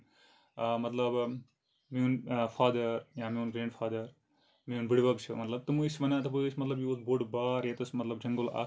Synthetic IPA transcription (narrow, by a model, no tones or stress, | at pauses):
mɐt̪lɐb | miunfʰaːd̪ɐɾjaːmiunɡɾẽːɳɖfʰaːd̪ɐɾ | miunbiɽʋɐkt͡ʃʰḭmɐt̪lɐb̚t̪ɐmuisʋɐnat̪ɐbojsmɐt̪lɐbjiozboɖbaːɾet̪usmɐt̪lɐb̚d͡ʒɐŋɡəla̰